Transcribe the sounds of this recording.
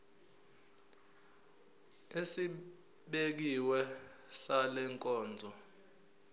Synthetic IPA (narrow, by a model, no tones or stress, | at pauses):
esi | ɓek̬iwɛsalɛŋkʼɔːnd͡zʱɔ